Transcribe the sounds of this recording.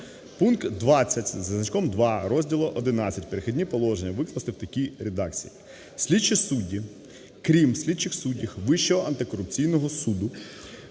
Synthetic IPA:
punkt̪d̪ʋɑt͡sʲːɐtʲzɐznɐt͡ʃkɔmd̪ʋɑɾɔzʲdʲilˠɔʔɔd̪ɪnɑt͡sʲːɐtʲpeɾexʲɪdʲnʲipɔlˠɔʒenʲːɐʋɪk̪lˠɐst̪ɪwt̪ɐkʲijɾed̪ɑkt͡sʲḭji | sʲlʲid̪t͡ʃisudʲːi | kɾʲimsʲlʲid̪t͡ʃɪxsudʲixʋɪʃt͡ʃɔɦɔɐnt̪ɪkɔɾʊp̚t͡sʲijnɔɦɔsud̪ʊ

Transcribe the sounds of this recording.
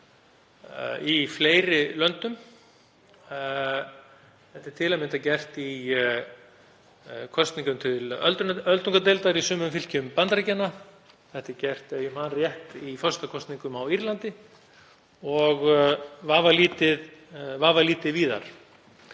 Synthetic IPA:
ifleːjɾɪlœnt̪ʏm | θɛht̪ɪ̥ɾ̥t̪ʰɪlaðmɪnt̪acɛr̥t̪i | kʰɔst̪niŋkʏmt̪ʰɪlœlt̪ʏnœlt̪uŋkat̪̬ejlt̪aɾisʏːmʏfɪl̥cʏmpant̪ɾacɛnːa | θɛht̪ɪɾcɛr̥t̪ɛjʏmanrjɛht̪ifɔst̪akʰɔst̪niŋkʏmawiɾlant̪ɪ | ɔɣvaːvaliːt̪ɪðvaːvaliːt̪ɪðviːða̰ɾ̥

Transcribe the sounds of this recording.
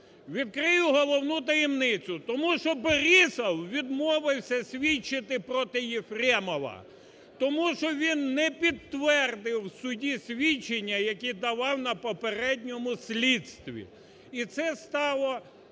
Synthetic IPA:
ʋʲid̪̚kɾɪjʊɦɔlˠɔwnut̪ɐjimnɪt͡sʲʊt̪ɔmuʃɔbeɾisɐwʋʲid̪mɔʋɪwsʲɐsʲʋʲit͡ʃːɪt̪ɪpɾɔt̪ɪjefɾɛmɔʋɐ̰ | t̪ɔmuʃt͡ʃɔʋʲinːɛpʲid̪t̪ʋɛrd̪ɪwsʊdʲisʲʋʲit͡ʃːenʲːɐjɐkʲid̪ɐʋɑwnɐpɔpeɾɛdʲnʲɔmʊsʲlʲit̪st̪ʋʲḭ | it̪sɛst̪ɑlˠɔ

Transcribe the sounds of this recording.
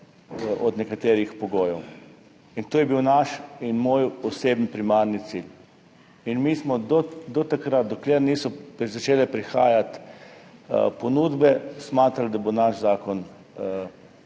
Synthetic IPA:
ʔɔd̪nɛkat̪eːɾixpɔɡoːjɛw | int̪oːjɛbiwnaʃinmoːjɔseːbnpɾimaɾnit̪sil | inmiːsmɔd̪ɔd̪ɔt̪akɾat̪̚d̪ɔkleɾniːsɔpzat͡ʃeːlɛpɾixa̰ːjat̪ | pɔnuːd̪bɛsmaːt̪ɾald̪abonaʒzaːkɔn

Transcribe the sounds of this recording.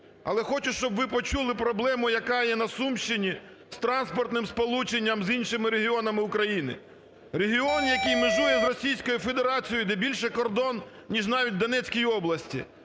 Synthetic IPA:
ɐ̰lˠɛxɔt͡ʃʊʃt͡ʃɔbʋɪpɔt͡ʃulˠɪpɾɔblˠɛmʊjɐkɑjɛnɐsumʃt͡ʃɪnʲi | st̪ɾɑnspɔrt̪nɪmspɔlˠut͡ʃenʲːɐmzinʃɪmɪɾeɦʲiɔnɐmɪʊkɾɐjinɪ̰ | ɾeɦʲiɔnjɐkɪjmeʒujɛzrɔsʲijsʲkɔjʊfed̪eɾɑt͡sʲijd̪ɛbʲilʲʃɛkɔrd̪ɔn | nʲiʒnɑʋʲit̚ʲd̪ɔnɛt͡sʲkʲijɔblˠɐsʲtʲḭ

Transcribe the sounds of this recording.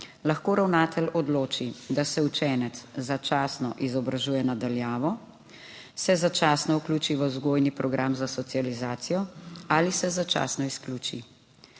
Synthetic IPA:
laxkoːɾawnaːt̪ɛlɔd̪loːt͡ʃid̪asɛut͡ʃɛːnɛt̪szat͡ʃaːsnɔ̰ʔizɔbɾaʒuːjɛnad̪aljaːʋɔ | sɛzat͡ʃaːsnɔukluːt͡ʃiʋəzɡoːjnipɾɔɡɾaːmzasɔt̪sializaːt̪sijɔalisɛzat͡ʃa̰ːsnɔiskluːt͡ʃi

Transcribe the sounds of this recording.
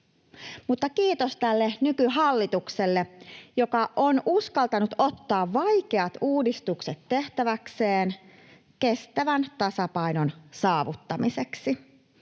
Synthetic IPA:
mut̪ːɑkiːt̪ost̪ælːenykyɦɑlːit̪ukselːejo̞kɑʔonuskɑlt̪ɑnut̪o̞t̪ːɑːʋʋɑjke̞ɑt̪uːdist̪ukset̪te̞ht̪æʋækseːn | ke̞st̪æʋænt̪ɑsɑpɑjnonsɑːʋut̪ːɑmiseksi

